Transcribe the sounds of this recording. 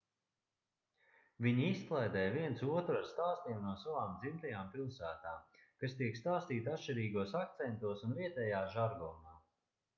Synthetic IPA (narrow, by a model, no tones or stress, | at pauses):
viɲiisklˠajd̪ɛːjviɛnt̪suɔt̪ɾuaɾst̪aːst̪iɛmnuɔsavaːmd̪zimt̪ajaːmpilˠsæːt̪aːmkast̪iɛkst̪aːst̪iːt̪at̪ʃt͡ʃiɾiːɡuɔsak̚t̪sɛnt̪uɔsunviɛt̪ɛːjaːʒaɾɡɔːmaː